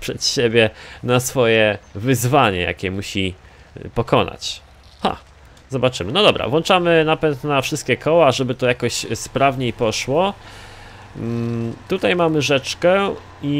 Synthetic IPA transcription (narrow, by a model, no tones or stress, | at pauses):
pʂɛt̪ɕebʲjɛnasfɔjɛvɘzvaɲɛ̰ja̰kʲɛmuɕi | pɔkɔna̰t͡ɕ | xa̰ | zɔbat͡ʂɘmɘnɔd̪ɔbɾa̰vwɔnt͡ʂamɘnapɛnt̪nafʂɘst̪kʲɛkʰɔwaʐɛbɘt̪ɔjakɔɕspɾavɲejpɔʂwɔ | t̪ut̪ajmamɘʐɛt͡ʂkɛ | i